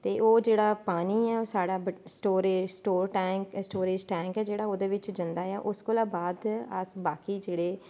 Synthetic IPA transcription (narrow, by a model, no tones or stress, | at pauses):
t̪eːʔoːd͡ʒeːɽaːpaːniːɛːoːsaːɽaːbsʈoːɾeːsʈoːɾʈɛːksʈoːɾeːd͡ʒʈɛ̃ːŋkɛːd͡ʒeːɽaːoːd̪eːʋɪt͡ʃd͡ʒənd̪aːɛːʔʊskolaːbaːd̪ə̰sbaːkiːd͡ʒeːɽeː